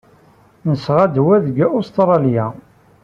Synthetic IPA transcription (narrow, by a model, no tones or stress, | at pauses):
nəsʁæd̪wæðɡæʔost̪ɾˤɑljæ